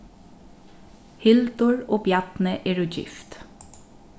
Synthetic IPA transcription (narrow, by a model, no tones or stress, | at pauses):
hɪlt̪ʊɹoːpjɑt̪nəʔeːɹuːd͡ʒɪ̰ft̪